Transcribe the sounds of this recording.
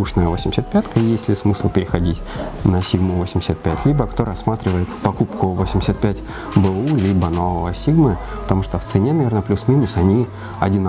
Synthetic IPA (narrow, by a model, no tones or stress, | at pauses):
uʂnəjəvosʲɪmʲɪsʲət̪pʲat̪kəjesʲtʲlʲɪsmɨslˠpʲɪɾʲɪxɐdʲitʲnəsʲiɡmʊvosʲɪmʲɪ̥sʲət̪̚pʲætʲlʲibəkt̪o̞ɾɐsːmat̪ɾʲɪvəjɪt̪pɐkupkʊvosʲɪmʲɪsʲət̪̚pʲætʲ | bɨulʲibənovəvəsʲiɡmɨ | pə̥t̪ɐmuʂt̪oft̪sɨnʲenɐvʲe̞rnəplʲusmʲinʊsɐnʲi | ɐdʲɪn